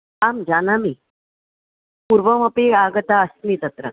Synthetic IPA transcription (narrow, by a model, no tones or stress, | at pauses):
amd͡ʑanamiː | puɾʋəməpeaɡət̪aəst̪lit̪ət̪ɾə̰